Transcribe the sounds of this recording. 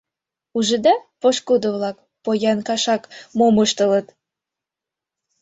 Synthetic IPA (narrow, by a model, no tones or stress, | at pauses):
uʒəd̪ɑpoʃkud̪oβlɑk | pojɑnkɑʃɑkmomɤʃt̪ɤ̆lɤ̆t̪